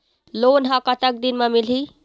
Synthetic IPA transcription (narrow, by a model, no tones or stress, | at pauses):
lonɦãkət̪ək̚d̪inmemilɦi